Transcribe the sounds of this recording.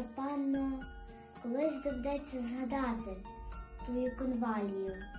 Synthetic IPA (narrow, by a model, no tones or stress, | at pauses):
pɑnɔ | kɔlˠɪzʲd̪ɔwd̪ɛt͡sʲːɐzɦɐd̪ɑt̪ɪt̪ɔjukɔnʋɑlʲijʊ